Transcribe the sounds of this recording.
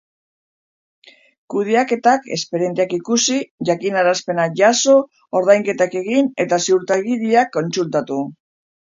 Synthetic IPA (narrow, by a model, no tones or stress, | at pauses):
kuðeake̞t̪ake̞̰speɾje̞nt̪eakikusiʝakinaɾaspe̞naʝaso̞ | oɾðajŋke̞t̪ake̞ɣine̞t̪asiuɾt̪aɣiɾiakːo̞nsult̪at̪u